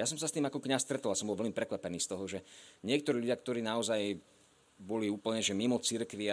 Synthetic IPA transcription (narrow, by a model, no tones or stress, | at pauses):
jasɔmsast̪iːmakɔkɲast̪ɾɛt̪ɔlasɔmbɔlʋɛʎlmipɾɛkʋapɛniːst̪ɔɦɔʒɛɲɪɛk̚t̪ɔɾiːʎuɟɪakt̪ɔɾiːnaɔzaj | bɔliuːpl̩ɲɛʒɛmimɔt͡siɾkʋi